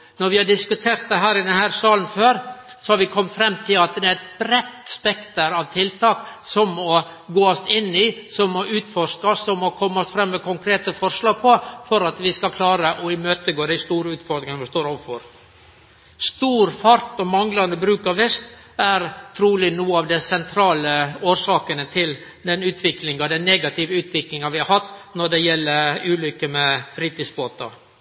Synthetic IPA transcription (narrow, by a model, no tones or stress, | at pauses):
nɔɾʋɪhɑɖɪskʉt̪ʰeːɾt̪̚d̪ɛɦæːɾɪd̪ɛnhæːɾsɑːln̩føːɾsɔhɑɾʋɪkʰɔmːfɾɛmːt̪ʰɪlɑt̪̚d̪ɛæɾɛt̪̚bɾɛt̪spɛkt̪əɾɑʋt̪ʰɪlt̪ʰɑːksɔmɔ | ɡoːɔst̪ɪnːɪsɔmɔʔʉːt̪fɔɾʂkɑsːɔmɔkʰɔmːɔsfɾɛmːɛkʰʊŋkʰɾeːt̪əfɔɾʂlɑːɡ̚pʰɔfɔɾɑt̪ʋɪskɑlkʰlɑːɾəʔɔɪmøːt̪əɡoːd̪æɪst̪uːɾəʉːt̪fɔɾd̪ɾɪŋʋɪst̪oːɾɔʋəfɔɾ | st̪uːɾfɑɾt̪ɔmɑŋlɑnd̪əbɾʉːkɑʋɛst̪ | æɾt̪ʰɾuːlɪnuːəɑʋd̪ɛsɛnt̪ʰɾɑːləoːɾsɑːkənət̪ʰɪl | d̪ɛnʉːt̪ʰʋɪklɪŋɑd̪ɛnneːɡɑt̪ʰɪʋəʉːt̪ʋɪklɪŋɑʋɪhɑɾhɑt̪ːnɔɖɛjɛlːəɾʉːlʏkːəmɛfɾiːt̪ɪsboːt̪ɑ̰